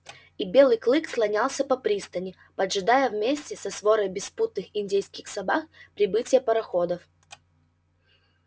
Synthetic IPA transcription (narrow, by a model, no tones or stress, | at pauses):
ibʲe̞lˠɨjklˠɨkslˠɐnʲalˠsʲəpɐpɾʲist̪ənʲɪ | pɐd̪ʐɨd̪ajəvmʲesʲtʲɪsɐsvo̞ɾəjbʲɪsput̪̚nɨxɪnʲdʲejskʲɪxsɐbakpɾʲɪbɨtʲɪjəpɐɾɐxod̪əf